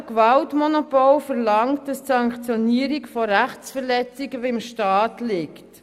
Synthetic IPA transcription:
kvaltmɔnopɔlfɛʁlɑŋt̚d̥ɑstsɑŋkt͡sjɔniəɾikfɔɾæχt͡sfɛʁlɛt͡siɡəvemʃtɑːtlɪkt

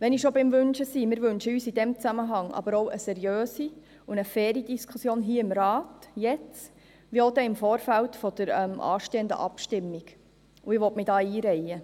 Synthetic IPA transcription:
ʋɛnɪʃobɪmʋʉnʃəsimɪːɾʋʉnʃəyːsid̥̪ɛmt͡sæməɦɑŋɑ̰b̥əɾowʔəsɛɾjøːsi | ʊnəfɛːɾid̥̪iskʰusjoːnɦiːəɪmɾɑːtjɛt͡s | ʋiod̪ɛɪmfoːɾfæltfɔd̥̪əɾɛmʔɑ̰ːʃteːənd̪ə̰ʔɑpʃtɪmːiɡ̥ | uɪʋɔtmɪdɑːiːɾɛɪə

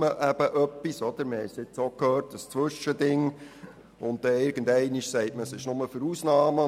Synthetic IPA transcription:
əʔæb̥əʔœpːisɔd̥̪əɾməhɛɪsɪt͡soːkʰhøːrt̚dəst͡sʋʏʃədɪŋ | ʊnt̚d̥ɛɪɾɡ̥ən̩dɛɪniʃsɛɪtməsɪʃnʊməfəɾusnɑːmə

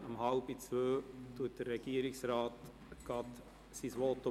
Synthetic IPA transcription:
ɑmhɑlb̥it͡sʋøːtuət̚d̥̪ərːɛɡ̥iəɾɪksɾɑːt̪ | ɡ̥ɑt | sisʋɔt̪ːo

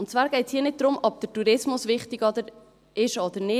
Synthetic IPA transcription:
ʊntt͡svaːɾɡ̥ɛɪshiːənɪt̚d̪ɾʊmɔb̚d̥̪ətuɾɪsmʊsvɪχt̪ɪɡɔd̪əɾ | ɪʃɔd̪əɾnɪ

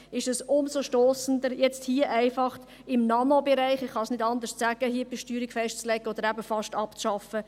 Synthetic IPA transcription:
ɪʃɛsʊmsoʃtoːsəndəɾjɛt͡sthiːəʔæɪfɑχt | ɪmnɑnobɛɾæɪχɪχχɑsnɪdɑnd̪əst͡sæɡ̥əhiəb̥ɛʃtyːɾiɡ̥fɛʃtt͡slɛɡəod̪əɾæbəfɑʃtɑpt͡sʃɑfə

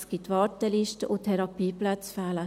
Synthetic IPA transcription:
sɡ̥it̪ːʋɑːɾtɛliʃtəʔutʰɛɾɑpiːplæt͡sfɛːlə

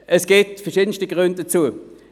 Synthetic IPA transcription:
ʔɛsɡ̥eːtfɛɐʃiːdən̩stiɡ̥ʁʏnt̚d̥ɐt͡suə

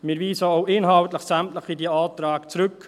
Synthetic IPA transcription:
mɪːɾviːsəoʊʔɪnɦɑltləχsæmtləχidiaːt̪ɾaːɡt͡sɾʉk

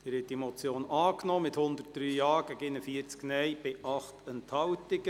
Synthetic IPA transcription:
ɪɾhɛt̚d̥imɔt͡sjoːnɑːknɔːmɪthʊnd̪ərt̚d̥ɾyːjɑːɡ̥ɛɡɪnəfiəɾt͡sknɛjb̥ɪʔɑχtɛnthɑwtɪɡ̥ə

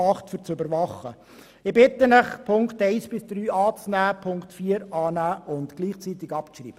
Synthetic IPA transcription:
ɑχtfyɾt͡søbəɾʋɑχə | ɪbɪt̪ːənəχpʰʊŋktɛɪsb̥ɪsd̥̪ɾyːɑːt͡snæːpʰʊŋktfiːəɾɑːnæːʔʊndɡ̥liːχt͡siːt̪ɪɡɑpt͡srḭːbə

